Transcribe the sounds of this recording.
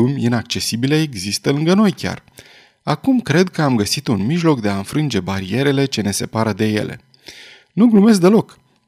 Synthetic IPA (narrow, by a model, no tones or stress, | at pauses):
umʲinak̚t͡ʃe̞sibileeɡzist̪əɨŋɡəno̞jkʲa̰r | akumkɾe̞d̪̚kəamɡəsit̪unmiʒlo̞kd̪e̞aɨnfɾɨnd͡ʒe̞baɾie̞ɾe̞le̞t͡ʃe̞ne̞se̞paɾəd̪e̞je̞̰lʔe̞̰ | nuɡlume̞sk̚d̪elo̞k